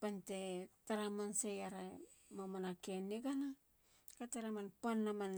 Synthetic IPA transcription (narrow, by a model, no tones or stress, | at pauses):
pantetaɾamansejaɾa | mamanakeniɡana | kataɾamanpanːaman